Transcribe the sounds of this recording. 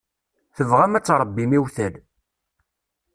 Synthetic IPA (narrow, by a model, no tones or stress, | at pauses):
θəvʁæmæt͡sːɾˤəbːimiwθæl